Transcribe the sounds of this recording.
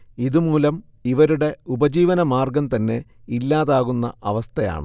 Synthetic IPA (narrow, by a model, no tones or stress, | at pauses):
iðumuːlɐm | iʋɐɾuɽe̞ubɐd͡ʑiːʋɐnɐmaːrɡɐmt̪ɐnːe̞ | ilːaːðaːɣunːɐ̰ʔɐʋɐst̪ʰɐja̰ːɳɨ̰